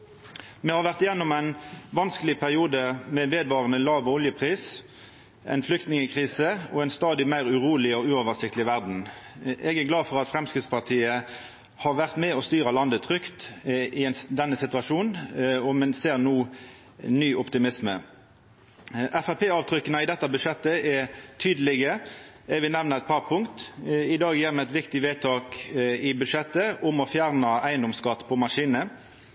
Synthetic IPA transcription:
mɛhɑʁʋæʁt̪jɛnːɔmæɪnʋɑnskəlɪpʰæʁɪuːd̪əmɛʋeːd̪ʋɑːʁənəlɑːʋɔljəpʰʁiːs | ʔɛ̰ɪnflʏkt̪nɪŋəkʰʁiːsəɔɛɪnst̪ɑːd̪ɪmæɪʁʉʁuːlɪɔʉːoːʋəʁsɪkt̪əlɪʋæʁd̪n̩ʔɛɡæʁɡlɑːfɔʁɑt̪fʁɛmskʁɪːd̪spʰɑʁt̪ʰiːə | hɑʁʋæʁt̪mɛɔst̪yːʁəlɑnd̪ət̪ʰʁʏkt̪ɪɛnd̪ɛnːəsɪt̪ʉɑʃuːnɔmɛnseːʁnuː | nyːʔɔpt̪ɪmɪsmə̰ | ʔæfæpʰeːɑːʋt̪ʰʁʏkːənəɪd̪ɛt̪ːɑbʉd̪ʂɛt̪ːəɛt̪ʰyːd̪əlɪɡə | ɛʋɪnɛʋnəɛt̪̚pʰɑʁpʰʊŋkt̪ɪd̪ɑːɡjiːʁmɛæɪt̪ʋɪkt̪ɪʋeːt̪ʰɑːkɪbʉʂɛt̪ːəʔʊmɔfjæʁnəʔæɪənd̪ɔmskɑt̪ːpʰɔmɑʂiːnə

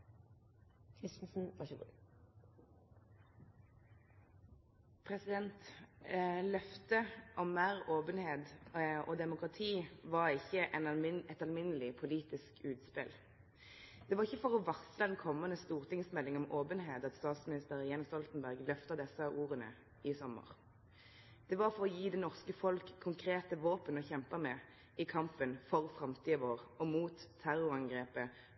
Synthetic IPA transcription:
kʰɾɪst̪n̩sn̩ʋɑɡṵ | pʰʁɛsɪd̪ɛnt̪ | lœft̪əʔɔmːæːʁoːpənheːd̪ʔɔːd̪ɛmʊkʁɑt̪ʰiːʋɑʁɪçːəʔɛnɛt̪ɑlmɪnəlɪpʰʊliːt̪ɪskʉːt̪spɪ̰l | d̪̥ɛʋɑʁɪçːəfɔʁɔʋɑksləd̪ɛnkʰɔmːənəst̪uːʁt̪ʰɪŋsmɛlːɪŋɔmoːpənɦeːt̪ɑt̪st̪ɑːt̪smɪnɪst̪əʁjeːnst̪ɔlt̪ən̩bæʁɡlœft̪ɑd̪ɛsəʔuːʁənə̰ | ɪsɔmːə̰ʁ | d̪̥ɛʋɑʁfɔʁɔjiːd̪ɛnɔʁskəfɔlkʰːʊŋkʰɾeːt̪əʋoːpənɔçɛmpɑmɛ | ɪkʰɑmpənfɔʁfʁɑmt̪ʰiːəʋoːʁɔmuːt̪ʰːæʁʊʁɑŋɡʁeːpə

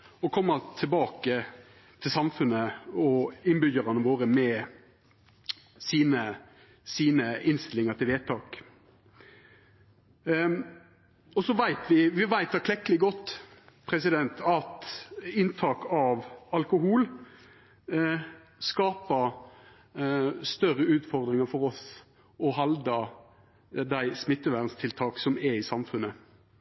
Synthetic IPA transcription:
ɔkʰɔmːət̪ʰɪbɑːkə | t̪ʰɪlsɑmfʉnəɔɪnbʏɡəɾɑnəʋoːɾəmɛ | siːnə | siːnəɪnst̪ɪlɪŋət̪ʰɪlʋeːt̪ʰɑːk | ɔsɔʋæɪt̪ʰʋɪʋɪʋæɪt̪ːækʰlɛkːəlɪɡɔt̪ːpʰɾɛsɪd̪ɛnt̪ʰɑt̪ɪnt̪ʰɑːkɑʋɑlkʊɦuːl | skɑːpə | st̪œɾəʉːt̪fɔɾd̪ʁɪŋəfɔɾɔs | ɔɦɑld̪ɑ | d̪æɪsmɪt̪ːəʋæːʁənst̪ʰɪlt̪ʰɑːksɔmɛɪsɑmfʉnːə

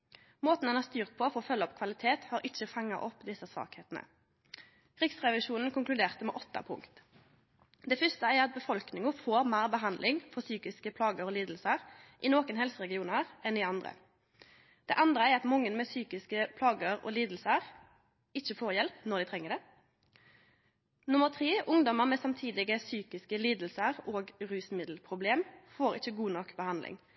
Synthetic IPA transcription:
moːt̪nɛnɑst̪yːʁt̪̚pʰɔfɔʁɔfœlːəɔpkʰʋɑlɪt̪ʰeːt̪hɑːɾʔɪt͡ʃːəfɑŋːɑ̰ʔɔpːd̪ɪsəsʋɑ̰ːkheːt̪nə̰ | kʰʁɪksʁɛʋɪʃuːnn̩kʊŋklʉd̪eːʁt̪əmɛʔɔt̪ːɑ̰pʰʊ̰ŋkt̪ | d̪ɛfʏst̪əæɑt̪̚bəfɔlknɪŋʊfoːɾmæːʁbəɦɑnd̪lɪŋfɔʁsyːkɪskəpʰlɑːɡəɾɔːliːd̪l̩səʁʔɪnoːkənɦɛlsəʁɛɡɪuːnəʁɛnɪɑnd̪ʁə̰ | d̪̥ɛ̰ːʔɑnd̪ɾəæɾɑt̪mɔŋːənmɛsyːkɪskəpʰlɑːɡəɾɔ̰ːliːd̪l̩səʁ | ɪçəfoːʁjɛlpnɔʁd̪ɪt̪ʰʁɛŋːəɖ̪ɛ | nʊməʁt̪ʰʁeːʔʊŋd̪ɔməʁmɛsɑmt̪ʰiːd̪ɪɡəsyːkɪskəliːd̪l̩səʁoːɡʁʉːsmɪd̪l̩pʰʁʊbleːmfoːɾɪ̰çəɡuːnɔkːbəhɑnd̪lʔɪ̰ŋ

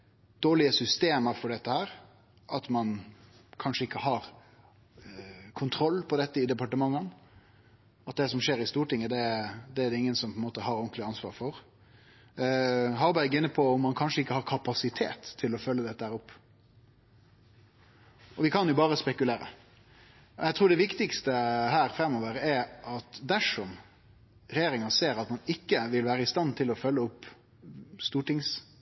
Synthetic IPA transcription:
d̪̥oːɭɪəsʏst̪eːməɾfɔɖɛt̪ːəhæːɾ | ʔɑt̪mɑn | kʰɑnʂəɪkːəhɑɾ | kʰʊnt̪ʰɾɔlːpʰɔd̪ɛt̪ːəɪd̪ɛpɑʈəmɑŋːən | ɑt̪̚d̪ɛs̬ɔmʂeːɾɪst̪uːʈɪŋːəd̪ɛd̪ɛæɾd̪ɛɪŋːənsɔmpʰɔɛnmoːt̪əɦɑɾɔnk̪lɪɑnsʋɑ̰ːɾfɔɾ | ɦɑɾbæɾɡɪnːəpʰɔɔmːɑnkʰɑnʂəɪkːəhɑɾkʰɑpɑsɪt̪ʰḛːt̪ʰːɪlɔfœlːəd̪ɛt̪ːəhæːɾʊpː | ɔʋɪkʰɑnjʊbɑːɾəspɛkʉleːɾə̰ | ɔjæɪt̪ʰɾuːɖɛʋɪkt̪ɪkst̪əhæːɾfɾɛmːɔːʋəɾɛɾʔɑt̪d̪æʂɔm | ɾɛjeːɾɪŋɑnseːɾɑt̪mɑnɪkːəʋɪlʋæːɾəɪst̪ɑnːt̪ʰɪlɔfœlːəʊpː | st̪uːʈɪŋs

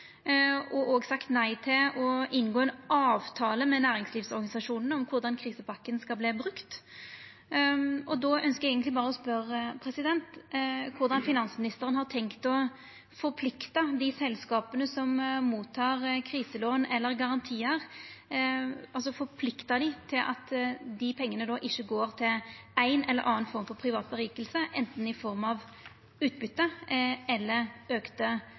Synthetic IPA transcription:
ɔʔɔːɡsɑkt̪næɪt̪ʰɪlɔʔɪnɡoːɛnʔɑːʋt̪ʰɑːləmɛnæːɾɪŋsliːfsɔɾʁɡɑnɪsɑʂuːnən̩ɔmkʰʊɾd̪ɑnkʰʁiːsəpɑkːənskɑlbliːbʁʉkt̪ | ʔɔd̪ɔœnskəjɛɡənt̪lɪbɑːʁəɔspœɾpʰɾɛsɪd̪ɛnt̪kʰʊɾd̪ɑnfɪnɑnsəmɪnɪst̪əɾənhɑʁt̪ʰɛŋkt̪ɔ | fɔɾpʰlɪkt̪ɑd̪ɪsɛlskɑːpənəsɔmmuːt̪ʰːɑːʁkʰɾiːsəloːnɛlːəɾɡɑʁɑnt̪ʰiːəʁ | ɑlsɔfɔɾpʰlɪkt̪ɑd̪ɪt̪ʰɪlʔɑ̰t̪d̪ɪpʰɛŋːənəd̪ɔʔɪçːəɡoːɾt̪ʰɪlæɪnɛ̰lːə̰ɾʔɑːnfɔɾmfɔɾpʰɾɪʋɑːt̪̚bəʁiːkəlsəʔɛ̰nt̪n̩ɪfɔʁmɑʋ | ʉːt̪̚bʏt̪ːəɛlːəɾøːkt̪ə

